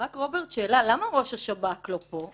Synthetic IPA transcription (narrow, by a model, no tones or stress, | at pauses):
ʁakʁo̞beʁt̪ʃeːlalamaʁo̞ʃaʃabaklopo̞